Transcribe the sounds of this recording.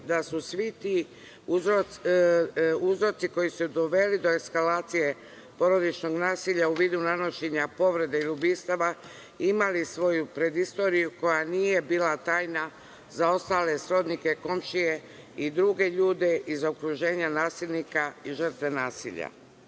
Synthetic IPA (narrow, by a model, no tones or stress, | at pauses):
d̪asusʋit̪i | uzɾo | uzɾo̞t̪iko̞jisud̪o̞ʋe̞lid̪o̞eskalaːt̪sije̞ | po̞ɾo̞d̪it͡ʃno̞ɡnaːsiʎauʋiːd̪unano̞ʃeɲapo̞ʋɾe̞d̪eilubiːst̪aʋa | imalisʋo̞jupɾe̞d̪ist̪o̞ːɾijuko̞janije̞biːlat̪aːjna | zao̞st̪aːle̞sɾo̞d̪nike̞ko̞mʃije̞ | id̪ɾuɡe̞ʎuːd̪e̞ʔizaokɾuʒe̞ːɲanaːsilnikaiʒr̩t̪ʋe̞naːsḭʎa̰